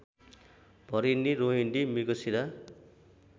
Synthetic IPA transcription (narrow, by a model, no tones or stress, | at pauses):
b̥ʱʌɾinːiɾoɦiɳɖimiɡʌsiɾa